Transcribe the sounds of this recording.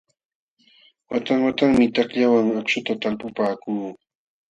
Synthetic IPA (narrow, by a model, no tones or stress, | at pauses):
wat̪aŋwat̪aŋmɪt̪akʎawaŋakʃʊt̪at̪alpʊpaːkuː